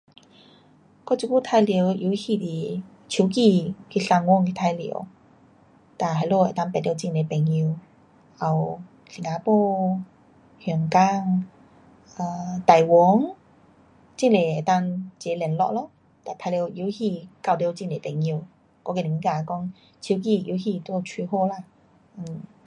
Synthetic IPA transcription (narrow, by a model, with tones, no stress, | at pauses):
kɔ˥˧˥t͡ɕu˧˦ku˥˧˨t̪ʰa˧jli˧˦˧wi˧˦hi˧t̪i˨˩ | t͡ɕʰu˨˧˦ki˧kʰi˧˩ɬa˧ŋwɔ˧˨ŋki˧˩t̪ʰa˧jlḭ˧˦w | t̪a˨˩ɦa˧˨lo˧˨e˨˩t̪a˥˧ŋpljt͡ɕi˧˨ŋle˨pɛ˨˩ŋi˧w | a˨w | li˨˩ŋa˨˧po˥˧ | hu˨˩ŋka˧ŋ | a˧˩t̪a˨˩jwɔ˨˧˦ŋ | t͡ɕi˥˧˨ŋle˨e˨˩t̪a˥˧ŋt͡ɕe˨˦lɛ˨˩nlɔ̰˧˨lo˧˦ | t̪a˨˩t̪ʰa˧li˧wʔi˧˦whi˧ka˧˩wli˧t͡ɕi˥˧ŋle˨˩t̪ɛ˨˩ŋi˧w | kɔ˧˦ki˧˩˨ĩ˧˦ka˧˩˨kɔ˧˥ŋ | t͡ɕʰi˧˦k̬i˧˩i˧˦hi˧t̪o˧˦˧t͡ɕʰi˧ho˥˧la˧˩˧